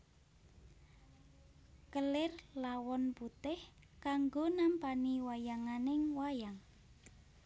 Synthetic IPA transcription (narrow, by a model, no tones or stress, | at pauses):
kəlɪrlawɔnput̪ɪhkaŋɡonampaniwajaŋanɪŋwajaŋ